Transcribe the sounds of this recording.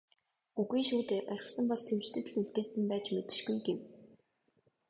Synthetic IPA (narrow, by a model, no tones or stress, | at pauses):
uɣiːʃuːt̪eːʔœrʲɪ̆χsɞ̆mpɔsʃewt͡ɕt̪ʰɘ̆t̪̆ɮuɮt̪eːsɘ̆mpæːt͡ɕmet̪ɘ̆ʃɡujɡew